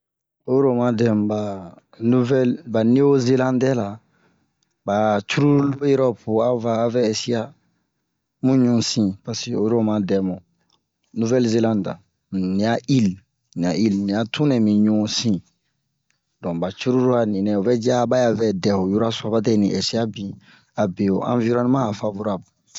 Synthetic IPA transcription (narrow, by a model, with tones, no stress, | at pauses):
o˦ɾo˦˨mã˦dɛ̃˨mba˨ | nu˦vɛ˦lba˨ne˦o˦ze˦lã˦ndɛ˦la˨ | ba˨t͡ʃu˦ɾu˦u˦lo˦jɛ˦ɾɔ˦po˨a˦vaː˦˨˦vɛ˦ɛ˦si˦a˦ | mũ˦ɲũ˦sĩ˦pa˨se˨o˨jɾo˦mã˨dɛ˨mɔ̃˨ | nu˦vɛ˦lze˦lã˦nda̰˨ | nĩ˨a˦ʔi˦l | nĩ˨a˨ʔi˦lnĩ˨ja˨tʰũ˦nɛ˨mĩ˨ɲũ˦sĩ˦ | dɔ̃˨ba˨t͡ʃu˦ɾu˦lu˦a˨nĩ˨nɛ̃˨o˨bɛ˦d͡ʒa˦ba˦ja˦vɛ˦dɛ˨o˨ju˦ɾa˦su˨a˨ba˦tɛ˦nĩ˨ʔɛ˨si˦a˦bĩ˨ | a˨be˨o̰˨ʔã̰˨vi˦ɾɔ̃˦nũ˦mãː˦˨fa˨vu˦ɾa˦b